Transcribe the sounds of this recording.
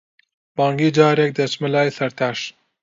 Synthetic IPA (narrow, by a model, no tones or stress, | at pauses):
b̥ɑːŋɡid͡ʒɑːɾek̚d̪ɐsmɐlaːjsɐɾt̪ʰaʃ